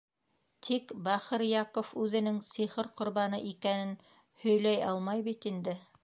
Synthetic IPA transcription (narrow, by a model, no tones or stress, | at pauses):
t̪ʰikbæχɤɾjɑkofʉðɘ̆nɘŋsiχɤɾqŏɾβɑnɤʔikænɘn | hɵ̆jlæjɑlˠmɑjβit̪ind̪ɘ